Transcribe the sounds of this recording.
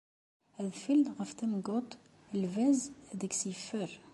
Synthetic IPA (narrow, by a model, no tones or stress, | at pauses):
hæðfild̪ɣæft̪əmɡot̪ˤ | əlvæzd̪əksifəɾ